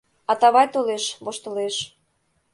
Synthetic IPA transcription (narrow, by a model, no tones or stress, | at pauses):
ɑt̪ɑβɑjt̪oleʃβoʃt̪ə̆leʃ